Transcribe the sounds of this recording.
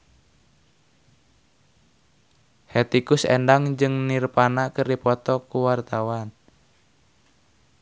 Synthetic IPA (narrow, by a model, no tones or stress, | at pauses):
hɛt̪ikʊsḛndaŋd͡ʒɨŋnirpanaʔkərdipɔt̪ɔkuwart̪awan